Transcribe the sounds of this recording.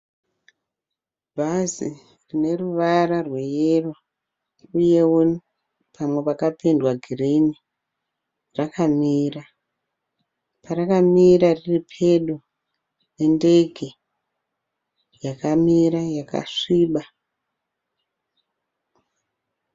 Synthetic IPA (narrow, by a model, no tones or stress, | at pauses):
bʱazi | rine̞ruʋararwe̞jero | uje̞u | pʰamwe̞pakapendwaɡʱirini | rakʰamiːra | paɾakamiɾariripʰe̞ɗu | ne̞nde̞ɡʱe̞ | jakamiɾajaka̰ʂiːɓa